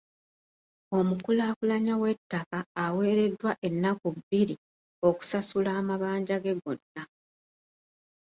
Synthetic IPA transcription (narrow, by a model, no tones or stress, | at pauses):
o̞mukulaːkulaɲawe̞tːakaːwe̞ːɾe̞dːwaʔe̞nːakuβːiɾi | o̞ku̥sasulaːmaβaːɲɟaɡe̞ɡo̞nːa